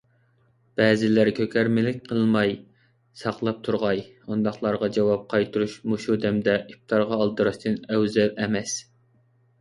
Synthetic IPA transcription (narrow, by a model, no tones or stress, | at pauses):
b̥ɛːzɪlæɾkʲʰøkʲʰæɾmɪlɪk̚ʲqʰəlˠmɑj | sɑqlˠɑp̚t̪ʰuɾʁɑj | und̪ɑχlˠɑɾʁɑd͡ʒɛwɑp̚qʰɑjt̪ʰuɾuʃmuʃud̪ɛmd̪ɛʔip̚t̪ʰɑɾʁɑːlˠd̪ɨɾɑʃt̪ʰɨnɛwzɛlɛmɛs